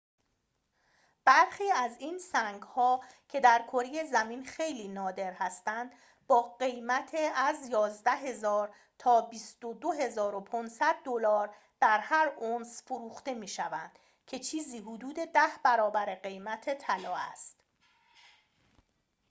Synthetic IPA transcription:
b̥æɾxiːæzinsæŋɡhɒː | cʰe̞d̪æɾkʰo̞ɾejezæmiːnxe̞jliːnɒːd̪e̞ɾhæst̪ænd̪ | bɒːɢe̞jmæt̪ʰeæzjɒːzd̪æɦe̞zɒːɾ | t̪ʰɒːbist̪od̪oɦe̞zɒːɾo̞pʰonsæd̪̚ːolɒːɾ | d̪̥æɾhæɾonsfoɾuːxt̪e̞miːʃævænd̪̥ | cʰe̞t͡ʃʰiːziːɦud̪uːd̪e̞d̪æhbæɾɒːbæɾeɢe̞jmæt̪ʰet̪ʰælɒːæ̰st̪

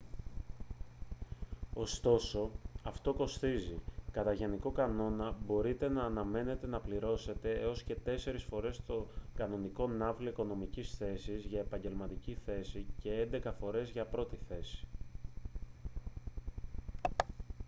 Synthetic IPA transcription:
o̞st̪o̞so̞ɐft̪o̞ko̞st̪izikɐt̪ɐʝe̞niko̞kɐno̞nɐbo̞ɾit̪e̞nɐːnɐme̞ne̞t̪e̞nɐpliɾo̞se̞t̪e̞eo̞sce̞t̪e̞se̞ɾisfo̞ɾe̞st̪o̞kɐno̞niko̞nɐvloiko̞no̞micisθe̞sizʝɐe̞pɐɲɟe̞lmɐt̪iciθe̞sice̞e̞nd̪e̞kɐfo̞ɾe̞zʝɐpɾo̞t̪iθe̞si̥

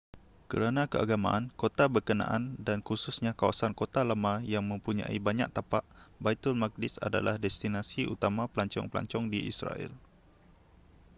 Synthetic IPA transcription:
kəɾanãkəʔa̰ɡama̰ʔankot̪abərkənã̰ʔandankususɲãkawasankot̪alamãjaŋmə̃mpuɲã̰ḭbaɲa̰ʔ̚t̪apaʔbait̪ʊlmak̚dɪsa̰da̰lahdɛst̪inasiʔṵt̪amãpəlaɲt͡ʃɔ̰ŋpəla̰ɲt͡ʃɔŋdiʔḭsra̰ɛ̰l

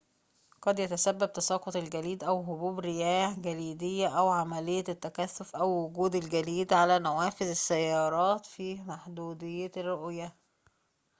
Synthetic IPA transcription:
qɑd̪jæt̪æsæbːæb̚t̪ɑsɑːqot̪lɡæliːd̪ʔæwɦobuːbɾɪjæːhɡæliːd̪ejːæʔæwʕamælejːæt̪ːækæθːofʔæwːʊɡuːd̪ɪlɡæliːd̪ʕalæːnæwæːfɪzɪsːæjːɑːɾˤɑːt̪fiːmaħd̪uːd̪ɪjːærːoʔjæ

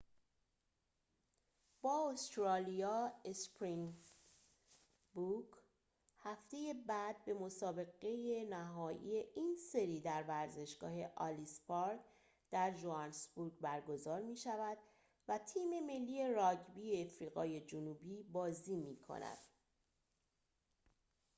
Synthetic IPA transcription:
b̥ɒːost̪ɾɒːlijɒːespɾin | buɡ | hæft̪e̞je̞bæd̪̚be̞mo̞sɒːbe̞ɣe̞jenæɦɒːjḭe̞ʔinse̞ɾiːd̪æɾvæɾze̞ʃɡ̥ɒ̰ːɦe̞ʔɒlispɒɾd | d̪̥æɾʒoɑnsbuɾɡbæɾɡo̞zɒːɾmiːʃævæd̪ | væt̪ʰiːme̞me̞lːiːje̞ɾɒɟbieːfɾiːɣɒ̰ːje̞d͡ʒonuːbiːbɒːziːmiːkʰo̞̰næ̰d̪̥

